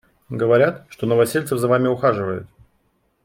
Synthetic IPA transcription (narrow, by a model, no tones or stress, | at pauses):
ɡəvɐɾʲat̪ʂt̪o̞nəvɐsʲelʲtsəvzɐvamʲɪʊxaʐɨvəjʊ̰t̪̚